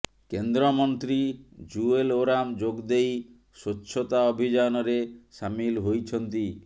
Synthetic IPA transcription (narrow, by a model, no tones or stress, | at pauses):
kend̪ɾɔmɔnt̪ɾid͡ʒueloɾamd͡ʒoɡd̪ej | soːʃʰɔt̪aɔbʱid͡ʒanɔɾesamilɦojt͡ʃʰɔnt̪i